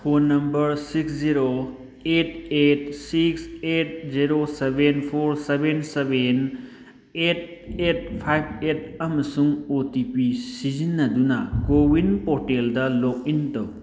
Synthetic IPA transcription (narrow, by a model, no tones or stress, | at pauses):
pʰonːɐmbɐɾsiksziɾo | et̚et̚sikset̚ziɾosebʱenpʰoɾsebʱenseben | et̚et̚pʰajb̚et̚ɐmɐsuŋotipisizinːɐdunakowinpɔɾʈeldɐlok̚intɔw